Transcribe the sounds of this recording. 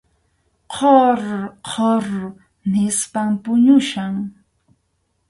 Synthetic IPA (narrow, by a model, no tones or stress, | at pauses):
qʰoɾqʰoɾ | nɪspampʊɲʊʃaŋ